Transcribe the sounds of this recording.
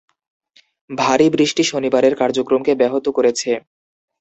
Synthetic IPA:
bʱaɾibɾiʃʈiʃonibaɾeɾkaɾd͡ʑokɾomkebɛɦot̪okoɾet͡ɕʰe

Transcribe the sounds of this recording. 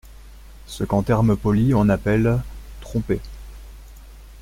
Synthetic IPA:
səkɑ̃t̪ɛʁməpɔliɔ̃napɛlt̪χɔ̃pe

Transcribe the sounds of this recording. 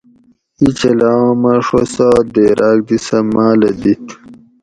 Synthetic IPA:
it͡ɕɐlãːmɐʂosaːd̪eɾʔaːk̚d̪isɐmaːlɐd̪it̪

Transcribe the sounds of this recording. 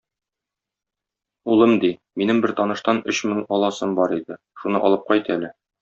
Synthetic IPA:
ulˠɤmd̪iminɘmbɘɾt̪ɒnɤ̆ʃt̪ɑnɵɕmɘŋɒlˠɑsɤmbɒɾid̪ɘ | ʃunɤʔɒ̰lˠɤp̚qɒjt̪ælɘ

